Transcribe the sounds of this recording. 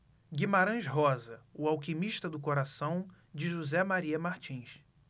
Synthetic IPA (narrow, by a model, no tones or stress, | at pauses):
ɡimaɾɐ̃ʃɦɔzɐʊawkimiʃt̪ɐd̪ʊkoɾasɐ̃w̃ | d͡ʒɪʒuzɛmaɾiɐmaɾt͡ʃĩs